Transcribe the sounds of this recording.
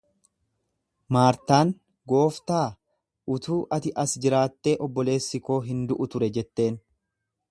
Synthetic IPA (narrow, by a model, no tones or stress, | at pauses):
maːɾt̪aːn | ɡo̞ːft̪aː | ʊt̪uːʔɐt̪ɪʔɐsd͡ʒɪɾaːt̪ːe̞ːʔɔbːɔle̞ːsːɪko̞ːɦɪnd̪ʊʔʊt̪ʊɾɛd͡ʒɛt̪ːe̞ːn